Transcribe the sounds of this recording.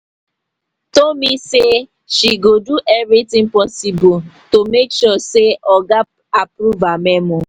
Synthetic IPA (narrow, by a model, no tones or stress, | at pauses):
tolmise | ʃiɡoduʔɛvitĩŋpɔsibo | tomekʃɔseʔɔɡa | apɾuvamɛmɔ